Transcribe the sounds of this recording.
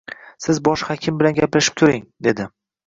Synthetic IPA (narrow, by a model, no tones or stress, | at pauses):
sɪzbɒʃhakʲʰɪmbɪlanɡʲaplaʃɪ̥p̚t̪ʰʊɾɪŋd̪e̞d̪ɪ